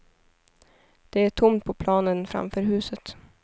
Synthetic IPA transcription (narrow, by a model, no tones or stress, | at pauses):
d̪̥ɛæʈʰʊmt̪̚pʰɔpʰlɑːnənfɾa̰mfœːɾɦʉ̟ːsət̪